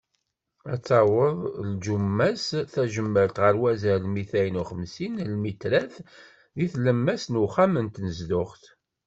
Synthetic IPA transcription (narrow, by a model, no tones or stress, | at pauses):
æt͡sːɑwəðˤld͡ʒumːæsθæʒəmːəɾt̪ʁəɾwæzəɾlmiθæjənuχəmsinlmit̪ɾæθ | ðiθləmːæsnuχæmənt̪nəzd̪ʊχt